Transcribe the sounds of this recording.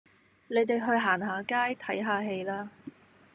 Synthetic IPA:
ne˨˧jt̪e˨jɦɵ˧ɥɦaː˨˩nɦaː˨˧kaː˥jt̪ʰɐ˨˥jɦaː˨˧ɦe˧jlaː˥

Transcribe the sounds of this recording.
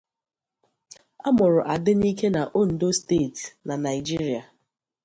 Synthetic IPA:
a˦mʊ˨ɾʊ˨ʔa˨dɪ˦ni˦ke˦na˨ʔo˦n̩˨do˦ste˦˨tna˨na˨ɪ˨d͡ʒi˦ɾi˨a˨

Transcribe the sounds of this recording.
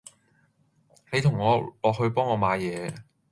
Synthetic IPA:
he˨˧jt̪ʰʊ˨˩ŋŋɔː˨˧lɔː˨k̚hɵ˧ɥpɔː˥ŋɔː˨˧maː˨˧jɛː˨˧

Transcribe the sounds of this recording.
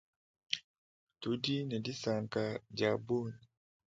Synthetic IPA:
tu˦di˦nɛ˨di˦sa˨ŋka˨d͡ʒa˨bu˦n

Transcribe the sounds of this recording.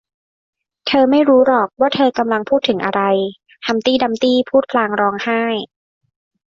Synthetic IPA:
t̪ʰɤː˧ma˥˩jɾuː˦˥ɾɔː˨˩k̚waː˥˩t̪ʰɤː˧ka˧mla˧ŋpʰuː˥˩t̪ʰːɯ˩˦ŋʔa̰˧ɾa˧j | h̪ʰa˧mt̪iː˥˩da˧mt̪iː˥˩pʰuː˥˩t̪̚pʰlaː˧ŋɾɔː˧ŋhaː˥˩j

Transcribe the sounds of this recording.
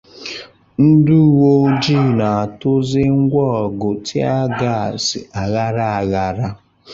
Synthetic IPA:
n̩˦du˦˨wo˦d͡ʒi˦˨na˨a˨tʊ˦zɪ˦ŋ̩˦ɡʷɔ˦ɔ˨ɡʊ˨tʰɪ˦a˦ɡa˦˨sɪ̰˨ʔa˨ɣa˦ɾa˦a˨ɣa˨ɾa˦

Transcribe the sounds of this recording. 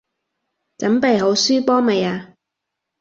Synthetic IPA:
t͡sɐ˨˥mpe˨jɦo˨˧˥wsyː˥pɔː˥me˨jaː˧

